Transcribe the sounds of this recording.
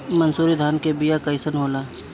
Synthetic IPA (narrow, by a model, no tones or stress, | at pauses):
mənsuːɾid̪ʱaːnkebijakəɪsənɦoːlaː